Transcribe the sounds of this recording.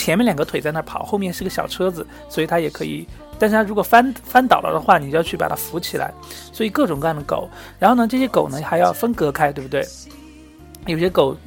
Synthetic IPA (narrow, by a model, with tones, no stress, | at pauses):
t͡ɕʰjɛ˧˥nmɛ˥nljŋɡə˦t̪ʰwe˨˩ɪt͡sa˥˧nʰə˥˩pʰɑ̰˨˩˦xo˥˧mjɛ˥˧ʂ̩˥˧˥ɡə˧ɕjɑ̰˨˩ʊʈ͡ʂʰɤ˥d͡zɹ̩˨ | swɔ˧˥i˨˩t̪ʰa˥jɛ˨˩kʰɤ˧˥ḭ˨˩˦ | t̪a˥˧nʂɻ̩ʰ˥˩a˥˩ɻu˧˥kwɔ˨˩fa˥nfa˥nt̪ɑ˨˩ʊlə̰˦d̪ə˦xwa˥˩ni˨˩t͡ɕo˥˧jt͡ɕʰy˥˩pa̰˨˩t̪ʰa˥fu˧˥t͡ɕʰi˨˩lʔa̰˧˥ɪswɔ˧˥i˨˩kɤ˥˩ʈ͡ʂʊ˨˩ŋkɤ˥a˥˧˩nd̪ə˩ko̰˨˩˦ʊɻa˧˥nxo˥˩ʊnə˩˧ʈ͡ʂɤ˥˩ɕjɛ˥ko˨˩ʊnə˦xa˧˥ɪjɑ˥˩ʊfə˥nkɤ˧˥kʰa˥ɪt̪we˥˩ɪbu˩t̪wɪ | jo˨˩ʊɕjɛ˥ko˨˩˦ʊ